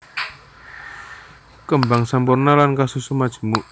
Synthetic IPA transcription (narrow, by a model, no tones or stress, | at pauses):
kəmbaŋsampurnalankasusumad̥ʒ̥ə̤muʔ